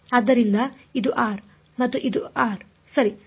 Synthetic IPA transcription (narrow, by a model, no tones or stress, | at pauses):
aːd̪ːɐɾind̪ɐ | id̪uʔaːɾ | mɐt̪ːuʔid̪uaːɾ | sɐɾi